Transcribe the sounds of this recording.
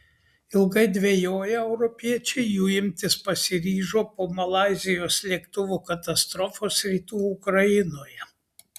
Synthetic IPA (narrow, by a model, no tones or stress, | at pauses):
ɪlˠɡɐɪd̪ʲʋʲejoːjɛɛʊɾɔpʲiɛt͡ʃʲɛɪjuːɪmʲt̪ʲɪspɐsʲɪɾʲiːʒoːpoːmɐlˠɑːzʲɪjoːslʲiɛkt̪ʊʋuːkɐt̪ɐst̪ɾɔfoːsɾʲiːt̪uːʊkɾɐɪnoːjɛ